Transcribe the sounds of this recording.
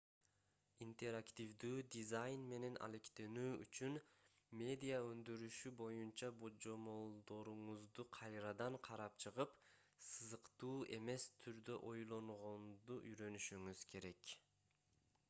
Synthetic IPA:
int̪e̞ɾakt̪ʲivd̪yːd̪izajnme̞ne̞nʔa̰le̞kt̪e̞nyːy̰t͡ʃyn | mʲe̞d̪ʲijaø̞nd̪yɾyʃybo̞junt͡ʃɑbod͡ʒo̞mo̞lˠd̪o̞ɾuɴuzd̪uqʰɑjɾɑd̪ɑɴqʰɑɾɑp̚t͡ʃʰɯʁɯp | sɯzɯqt̪uːʔe̞me̞st̪ʰyɾd̪ø̞ʔo̞jlˠo̞ɴʁo̞nd̪uʔyɾø̞nyʃyŋyz̥kʰe̞ɾe̞k

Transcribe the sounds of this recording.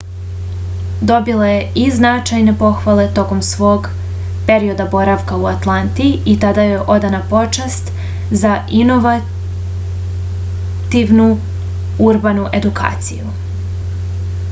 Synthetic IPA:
d̪o̞bilajeʔiznat͡ʃajne̞po̞xʋale̞t̪o̞ko̞msʋo̞ːɡ | pe̞ɾio̞d̪abo̞ɾaʋkauat̪lˠant̪iit̪ad̪aje̞ʔo̞d̪anapo̞t͡ʃast̪ | zaino̞ʋa | t̪iʋnu | uɾbanuʔe̞d̪uka̰ːt̪siju

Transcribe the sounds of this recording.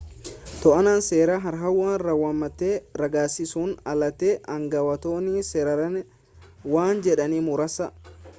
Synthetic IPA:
t̪ɔʔɐnaːnse̞ːɾaːɦɐɾɦɐwːaːnrɐwamːɐt̪ːeːɾɐɡaːsɪsuːnɐlɐt̪eʔɐŋɡɐwɐt̪o̞ːniːsɛɾɐɾɐn | waːnd͡ʒɛᶑɐniːmʊɾɐsɐ

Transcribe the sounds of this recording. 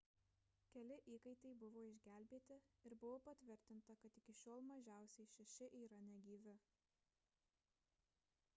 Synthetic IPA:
kʲɛlʲɪʔiːkɐɪt̪ɐɪbʊʋoːɪʒʲɡʲæːˑlʲbʲeːt̪ʲɪɪɾbʊʋoːpɐt̪ʲʋʲɪɾʲt̪ʲɪnt̪ɐkɐt̪ɪkʲɪʃʲoːlˠmɐʒʲæˑʊsʲɛɪʃʲɛʃʲɪʔiːɾɐnʲɛɡʲiːʋʲɪ

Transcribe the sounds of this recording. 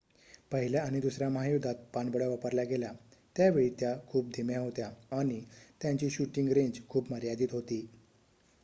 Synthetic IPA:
pəɦiljaaɽ̃id̪usɾjaməɦajud̪ʱat̪̚paɳbəɽjaʋapəɾlaɡelat̪jaʋeɭiːt̪jakʰuːp̚d̪ʱimjaɦot̪jaːɽ̃it̪jãɲt͡ɕiːɕuʈiŋɡɾeɲd͡ʑkʰuːpməɾjad̪iːt̪ɦot̪iː

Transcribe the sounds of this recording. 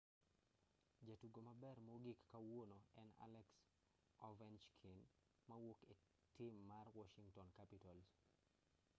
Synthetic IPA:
d͡ʒatuɡomɐbɛrmoɡikːawonoɛna̰lɛks | ɔvɛnt͡ʃkʰin | mɐwoke | tɪmːarwɔʃiŋtɔnkapitɔls

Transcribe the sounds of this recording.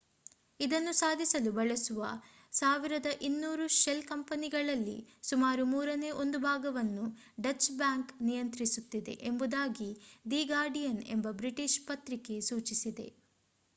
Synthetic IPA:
id̪ɐnːusaːd̪ʱisɐlubɐɭesuʋɐ | saːʋiɾɐd̪ɐʔinːuːɾuʃelkɐmpɐniɡɐɭɐlːḭsumaːɾumuːɾɐneːʔo̞nd̪ubʱaːɡɐʋɐnːu | ɖɐt͡ʃbaːŋknijɐnt̪ɾisut̪ːid̪e̞̰ʔembud̪aːɡid̪iːɡaːɾɖijɐnembɐbɾiʈiʃpɐt̪ɾike̞suːt͡ʃisid̪e̞̰

